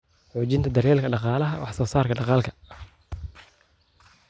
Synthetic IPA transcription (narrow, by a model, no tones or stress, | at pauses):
ħuːt͡ʃɪnt̪ʰɐd̪ɐɾjɛːlkʰɐɖɑqɑːlɐɦɐwɑħsɔːsaːrkʰɐɖɑqɑːlkʰɐ̥